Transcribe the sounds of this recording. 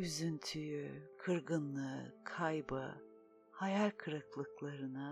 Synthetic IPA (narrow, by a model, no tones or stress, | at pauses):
yzynt̪ʰyjykʰɯɾɡɯnlˠɯkʰajbɯ̰ | hajalʲkʰɯɾɯklˠɯklˠaɾɯnɯ